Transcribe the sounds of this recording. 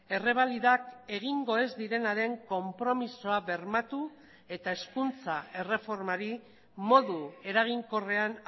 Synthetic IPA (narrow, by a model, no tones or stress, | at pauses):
e̞re̞β̞aliðake̞ɣ̞iŋɡo̞e̞zd̪iɾe̞naɾe̞ŋko̞mpɾo̞miso̞aβe̞ɾmat̪u | e̞t̪ae̞skunt͡sae̞re̞fo̞ɾmaɾi | mo̞ðue̞ɾaɣ̞iŋko̞re̞an